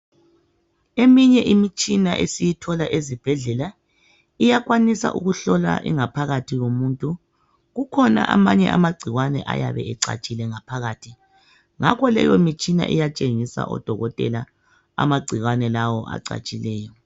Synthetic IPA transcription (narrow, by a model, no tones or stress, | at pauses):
emiɲɛʔimit͡ʃʼinaʔesijitʰɔlaʔezib̥ʱɛɮɛla | ijaɣwanisa̰ʔuɣuɬɔla̰ʔḭŋapʰaɣatʰiɣomuntʼu | ɣukʰɔna̰ʔamaɲɛ̰ʔamaɡ͡ǀʱiɣwanɛ̰ʔa̰jaβɛʔɛǀa̰t͡ʃʼilɛŋapʰaɣaːtʰi | ŋakʰɔlɛ̰jɔimit͡ʃʼina̰ʔḭjat͡ʃʼeŋisa̰ʔɔ̰d̥ʱɔɣɔtʼɛ̰la | a̰maɡ͡ǀʱiɣwanɛlawɔʔa̰ǀa̰t͡ʃʼilɛːjɔ